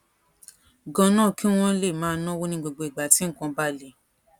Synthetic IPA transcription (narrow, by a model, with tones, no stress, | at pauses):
ɡɔ̃˧nãː˦˨ki˦w̃ɔ̃˦le˦˨mãː˨˦˧nɔ̃˦wo˦nĩ˧ɡ͡bo˧ɡ͡bo˨˧i˨ɡ͡ba˨ti˨˦ŋ̩˦˨kɔ̃˧ba˦˨le˨˦